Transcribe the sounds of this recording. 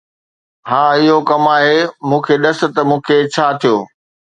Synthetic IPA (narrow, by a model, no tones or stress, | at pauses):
ɦãːɪɦokɐmaːɦemũːkʰeɗɐsɪ̆t̪ɐmũːkʰet͡ɕʰaːt̪ʰijoː